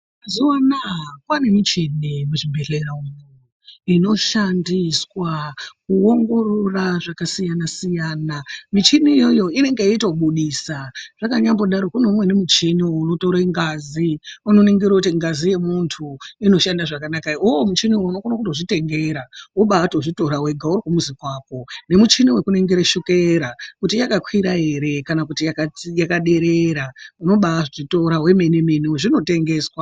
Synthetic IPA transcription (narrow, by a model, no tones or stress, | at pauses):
zuwanakwane̞mit͡ʃinimuʐibʱe̞ɬeraum | ino̞ʃandiswakuo̞ŋɡo̞roraʐakasijanasijaːnamit͡ʃinijo̞jo̞ine̞ŋɡeitoɓuɗisaʐ̥akaɲambo̞ɗaɾokuneumwe̞nemut͡ʃiniwounotoɾaiŋɡaziunoneŋɡeɾokutiŋɡazije̞muntʰuino̞ʃandaʐakanakaioomut͡ʃiniwounokonakutoʐite̞ŋɡe̞ɾauɓatoʐito̞ɾawe̞ɡʱaurokumuzikwaːko̞ne̞mut͡ʃiniwekuneŋɡeɾeʃukeɾakutijakakwiɾaɦe̞ɾe̞kanakutijakajakaɗe̞ɾeɾauno̞ɓaʐito̞ɾawe̞me̞ne̞me̞newoʐino̞te̞ŋɡe̞ːswa